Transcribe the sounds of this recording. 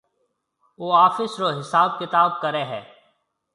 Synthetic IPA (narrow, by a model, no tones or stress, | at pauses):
oːaːfɪsɾoːɦɪsaːb̚kɪt̪aːb̚kəɾeːɦɛː